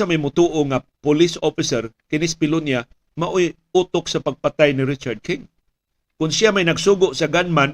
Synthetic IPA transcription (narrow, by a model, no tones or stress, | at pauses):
amajmʊt̪uːʔoŋapʊlɪsofɪsɛɾkɪnɪspɪlʊnja | maʔoj | ut̪ʊksapaɡ̚pat̪ajnɪɾɪt͡ʃaɾd̪̚kɪŋ | kʊnsɪamajnɐɡsuːɡʊʔsaɡanman